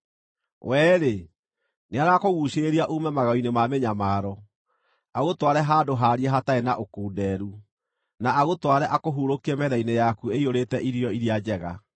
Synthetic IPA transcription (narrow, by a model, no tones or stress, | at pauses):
wʔɛːɾe | neaɾakoɣuːɕeɾiaʔumɛmaɣainemameɲamaːɾɔ | aɣotwaɾɛɦaːdoɦaːɾiɛɦataenaʔokuːdɛɾu | naaɣotwaɾɛʔakoɦuɾokiɛmɛðainejakueioɾetɛʔiɾjɔiɾiad͡ʑɛɣa̰